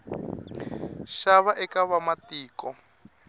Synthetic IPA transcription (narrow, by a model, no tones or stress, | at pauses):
ʃaβaʔɛkaβamatiːkɔ